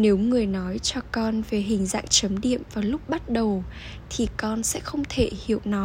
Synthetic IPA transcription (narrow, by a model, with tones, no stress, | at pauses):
ne˨˦wŋɨ˨˩əjnɔ˨˦jt͡ɕɔ˧kɔ˧nve˨˩ɦï˨˩ŋ̟za̰˧˨ŋt͡ɕə˨˦mɗḭ˧˨əmvaː˨˩lʊ˦˥k͡p̚ɓa˦˥t̚ɗə˨˩w | t̪ʰi˨˩kɔ˧nsɛ̰˧˥xə˧wŋ͡mt̪ʰe˧˩hi˧˨əwnɔ˨˦